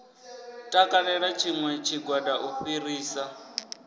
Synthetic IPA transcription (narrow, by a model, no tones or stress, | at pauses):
tʼakʼalɛɺat͡ʃʰiŋwɛt͡ʃʰiɡwadaʔuɸiriːsa